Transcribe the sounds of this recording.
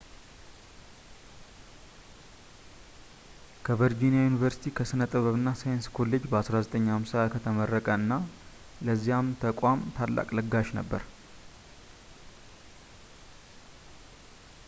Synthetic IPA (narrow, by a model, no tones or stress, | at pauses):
kʰəvəɾd͡ʒinijajunivəɾsi̥t̪ʰikʰəsɨnət̪ʼɨβəβɨnːasajnskʰo̞lːe̞d͡ʒbəasɾazət̪ʼəɲːhamsaakʰət̪ʰəmərːəkʼəɨnːa | ləzːijamt̪ʰəkʷʼamt̪ʰalːa̰kʼləɡaʃnə̰bːə̰ɾ